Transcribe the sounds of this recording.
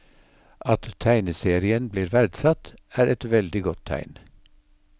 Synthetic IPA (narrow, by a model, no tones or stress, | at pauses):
ʔɑt̪t̪ʰæɪnəseːɾɪənbliːɾʋæɾɖ̪sɑt̪æːɾɛt̪ʋɛld̪ɪɡɔt̪ʰæ̰ɪn